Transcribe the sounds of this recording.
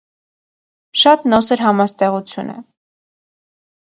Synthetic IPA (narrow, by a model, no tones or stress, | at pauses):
ʃɑt̪nɔsɛɾɦɑmɑst̪ɛʁut͡sʰjṵnə̰